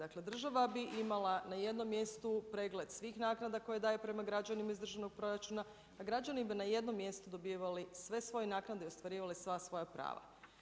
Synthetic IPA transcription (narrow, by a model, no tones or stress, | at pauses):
akle̞d̪r̩ʒaʋabiʔimalˠanaje̞d̪no̞mːje̞st̪upɾeːɡle̞d̪sʋiːxnaːknad̪ako̞jed̪aːjepɾe̞maɡɾad͡ʑanimaizd̪ɾr̩ʒano̞ɡ̚pɾoɾat͡ʃunaː | ɡɾad͡ʒanibinaje̞d̪no̞mːje̞st̪ud̪o̞biʋalisʋe̞sʋo̞jenaːknad̪eio̞st̪ʋaɾiːʋalisʋasʋo̞japɾa̰ːʋa̰